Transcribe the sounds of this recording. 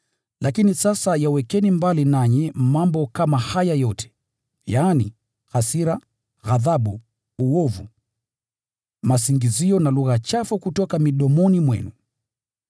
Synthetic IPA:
lakinisasajawɛkɛnimbalinaɲɛmambɔkamahajajɔtʰɛ̥ | jaːnḭ | ɣasiɾa | ɣaðaɓu | uwɔvṵ | masiŋɡiziɔnaluɣat͡ʃafukutɔkamiɗɔmɔnimwɛ̰nu

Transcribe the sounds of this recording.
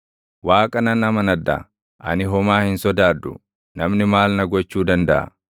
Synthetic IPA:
waːkʼɐnɐnɐmɐnɐd̪ːɐ̰ | ʔɐ̰nɪɦɔmaːhɪnsɔd̪aːd̪ːʊ̰ | nɐmnɪmaːlnɐɡɔt͡ʃːuːd̪ɐnd̪ɐʔɐ̰

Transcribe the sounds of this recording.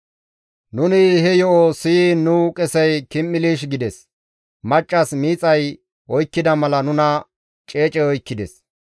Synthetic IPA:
nʊnɪhɛjɔʔosinʊkʼɛsɛjkɪmːɪliːʃ̬ɡɪd̪ɛs | mɐt͡ʃʼːɐsmiːt͡sʼɐj | ɔjkːɪd̪ɐmɐlɐnʊnɐ | t͡ʃʼe̞ːt͡ʃʼɛɔjkːɪd̪ɛs

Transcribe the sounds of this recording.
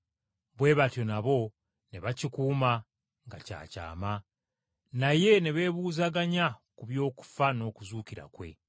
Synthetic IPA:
βwe̞ːβatjo̞naβo̞ | neβacikuːma | ŋɡaca̰ːca̰ːma | naje̞neβe̞ːβuːzaɡaɲakuβjo̞ːku̥fano̞ːkuzuːkiɾa̰kwe̞̰

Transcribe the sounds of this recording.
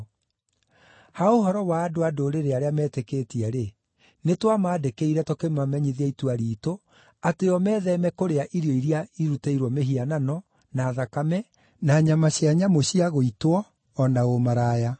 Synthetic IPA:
haoɦɔɾɔwaːdoadoɾeɾeaɾeamɛːtekeːtiɛɾe | netwamaːdekeiɾɛtokemamɛɲiðiaituaɾiːto | ateɔmɛːðɛmɛkoɾeaʔiɾiɔiɾiaiɾuteiɾwɔmeɦiananɔ | naːðakamɛ | naɲamaɕjaɲamoɕiaɣoitwɔː | naɣomaɾaːja

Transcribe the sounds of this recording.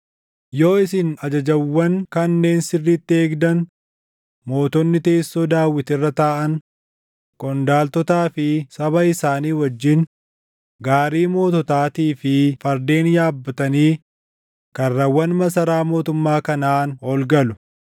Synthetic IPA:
jo̞ːɪsɪnɐd͡ʒɐd͡ʒɐwːɐŋkɐnːe̞ːnsɪrːiːt̪ːɪe̞ːɡd̪ɐn | mo̞ːt̪ɔnːɪt̪e̞ːsːoːd̪aːwːɪt̪ɪrːɐt̪aːʔɐŋ | kʼɔnd̪aːlt̪ɔt̪aːfɪsɐβɐɪsaːniːwɐd͡ʒːɪn | ɡaːɾiːmo̞ːt̪̬ɔt̪aːt̪iːfɪfɐɾd̪e̞ːnjaːbːɐt̪ɐniː | kɐrːɐwːɐnmɐsɐɾaːmo̞ːt̪ʊmːaːkɐnaːnɔlɡɐlʊ̥

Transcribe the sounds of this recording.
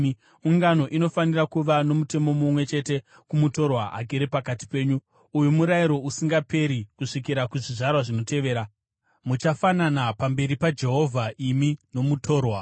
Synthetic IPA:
uŋɡano̞ʔino̞fanirakuʋano̞mute̞momumwe̞t͡ʃe̞te̞ | kumuto̞rwaa̰ɡʱeɾepakati̥pe̞ːɲu | ujumuɾaiɾo̞usiŋɡape̞ɾikuʂikiɾakuʐiʐarwaʐino̞te̞ʋe̞ːɾa | mut͡ʃafananapambe̞ɾipad͡ʒe̞ɦo̞vʱaʔimino̞mutʰo̞ːrwa

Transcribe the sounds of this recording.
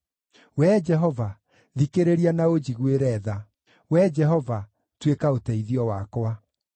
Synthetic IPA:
wɛd͡ʒɛɦɔva | ðikeɾeɾianaod͡ʑiɣweɾɛːða | wɛd͡ʒɛɦɔva | twekaotɛiðiɔwakwa

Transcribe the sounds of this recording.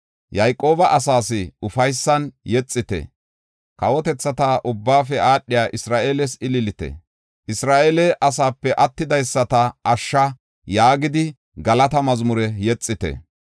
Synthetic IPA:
jɐjkʼo̞ːbɐʔɐsaːsɪʊfɐjsːɐnjɛt͡sʼːɪt̪ɛ̰ | kɐwɔt̪ɛt͡sːɐt̪aʔʊbːaːfɛaːɗːɪjaːʔɪsɾaːʔe̞ːlɛsɪlɪlɪt̪ɛ̰ | ʔɪsɾaːʔeːlɛʔɐsaːpːɛʔɐt̪ːɪd̪ɐjsːɐt̪ɐɐʃːɐ | jaːɡɪd̪ɪ | ɡɐlɐt̪ɐmɐzmʊɾɛjɛt͡sʼːɪt̪ɛ̰

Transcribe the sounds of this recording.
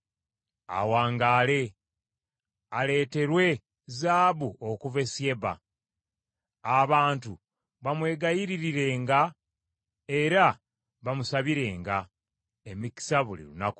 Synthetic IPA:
a̰waːŋɡaːle̞ | ale̞ːte̞ɾwe̞ | zaːβuokuve̞sje̞βa̰ | βaːntu | βamwe̞ːɡajiɾiɾiɾe̞ːŋɡa | e̞ɾa | βamusaβiɾe̞ːŋɡa | emiki̥saβulḭɾṵnaku̥

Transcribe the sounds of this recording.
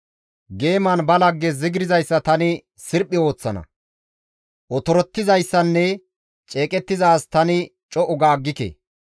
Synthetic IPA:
ɡe̞ːmanbɐlɐɡːɛzɪɡɾɪzɐjsːɐt̪ɐnɪ | sɪɾpʼːɪo̞ːt͡sːɐnɐ̰ | ʔɔt̪ɔɾɔt̪ːɪzɐjsːɐnːɛ | t͡ʃʼe̞ːkʼɛt̪ːɪzaːst̪ɐnɪt͡ʃʼɔʔɔɡaːɡːɪkḛ

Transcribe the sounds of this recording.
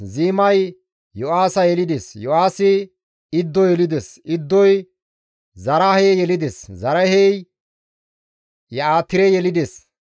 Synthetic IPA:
ziːmɐj | jɔʔaːsɐjɛlɪd̪esjɔʔaːsɪ | ɪd̪ːɔjɛlɪd̪esɪd̪ːɔj | zɐɾɐhɛjɛlɪd̪eszɐɾɐhɛj | jɐaːt̪ːɪɾɛjɛlɪd̪es

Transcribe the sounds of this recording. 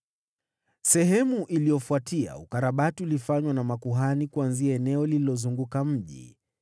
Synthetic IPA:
sɛɦɛmuʔilijɔfuatʰia̰ukaɾaɓatiulifaɲwanamakuɦanikuanziaɛnɛɔlililɔzuŋɡukam̩ʄḭ

